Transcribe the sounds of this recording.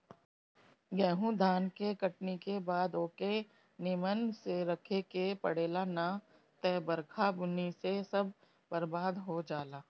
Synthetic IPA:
ɡɛːɦũd̪ʱaːnkekəʈnikebaːd̪oːke | nɪmənseɾɐkʰekepəɽeːlana | t̪ɛːbəɾkʰabʊnisesɐb̚ʱ | bɐɾbaːd̪ɦod͡ʒaːlaː

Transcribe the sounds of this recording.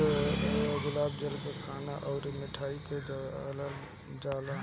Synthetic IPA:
ɡʊlaːb̚d͡ʒəlkekʰaːnaʔɔʊɾmɪʈʰaːikela | d͡ʒaːla

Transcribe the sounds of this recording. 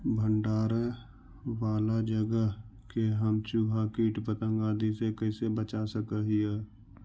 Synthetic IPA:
bʱəɳɖaːɾə | ʋaːlad͡ʒəɡəɦkeɦəmt͡ʃuːɦakiːʈpət̪ə̃ŋɡaːd̪isekəisebət͡ʃasəkəɦiɛː

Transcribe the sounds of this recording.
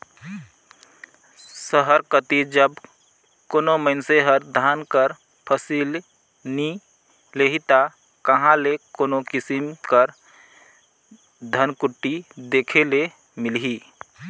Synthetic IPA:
səɦəɾkət̪id͡ʒəb | koːnoməɪnseɦəɾd̪ʱaːnkəɾ | pʰəsil | ni | leɦit̪a | kəɦãlekoːnokɪsimkəɾ | d̪ʱənkuʈːid̪ekʰele | mɪlɦi

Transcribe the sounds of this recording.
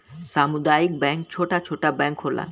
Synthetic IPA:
samud̪ajik̚bɛŋk̚t͡ɕʰoʈat͡ɕʰoʈabɛŋkɦoɾla̰n

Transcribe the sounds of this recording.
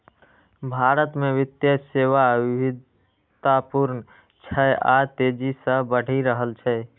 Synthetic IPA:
bʱaɾət̪meʋit̪jəseʋaʋibʱid̪ | t̪apuɾnə | t͡ʃʰəjʔat̪ed͡ʒisə̃bəɽ̤ʱiɾəɦəlt͡ʃʰɛ

